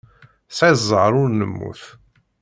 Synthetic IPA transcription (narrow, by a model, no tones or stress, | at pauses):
sʕizˤəɾˤʊɾnəmːṵθ